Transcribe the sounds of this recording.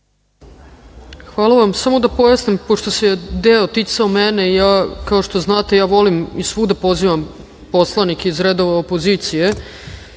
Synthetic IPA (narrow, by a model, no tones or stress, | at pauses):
xʋaːlˠaʋamsamo̞d̪apo̞jasnimpo̞ʃt̪osed̪eot̪it̪saomeneijaːkao̞ʃt̪o̞znaːt̪e̞jaːʋo̞limisʋuːd̪apo̞ziʋam | po̞slˠanikizɾed̪o̞ʋaopoziːt̪sije